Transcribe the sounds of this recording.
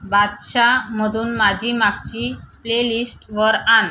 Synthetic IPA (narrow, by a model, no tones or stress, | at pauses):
bad̪ɕamod̪unmad͡ʑimak̚t͡ɕiplelisʈʋəɾan